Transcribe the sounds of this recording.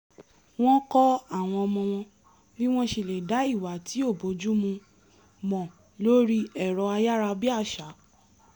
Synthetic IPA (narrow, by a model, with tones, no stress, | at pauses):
w̃ɔ̃˦kɔ˦a˦˨w̃ɔ̃˧ɔ˧mɔ̃˧w̃ɔ̃˧ | bi˦w̃ɔ̃˦ʃe˧˨le˨da˨˦i˦˨wa˨tʰi˨˦o˦˨bo˨˦d͡ʒu˦mũ˧ | mɔ̃˨ | lo˦ɾi˦ɛ˨ɾɔ˨˧a˧ja˦ɾa˧bi˦a˦˨ʃa˨˦